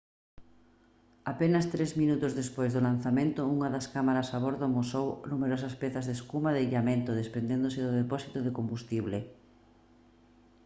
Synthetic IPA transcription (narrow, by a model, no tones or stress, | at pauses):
apenɐst̪ɾezmĩnut̪ʊzðespojzðolan̟θamẽnt̪ʊuŋɐðɐskamaɾɐsaβ̞oɾðʊmosownumeɾɔs̬ɐspɛθɐzðeskumaðeʎamẽnt̪ʊðespɾend̪end̪osɪðʊðepɔsit̪oðɪkombust̪iβle